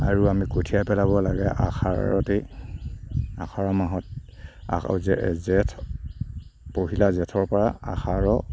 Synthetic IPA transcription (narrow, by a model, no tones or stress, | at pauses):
aɹuamikotʰiapɛlaβɔlaɡɛʔa̰xʰa̰ɔ̰te | axaɹɔmaɦɔt̚a̰zɛzɛtʰ | poɦilazɛtʰɔɹpɔɹaaxaɹɔ